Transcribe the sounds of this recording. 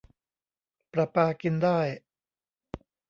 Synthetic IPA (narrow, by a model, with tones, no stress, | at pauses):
pɾa˨˧˩paː˧ki˧ndaː˥˩j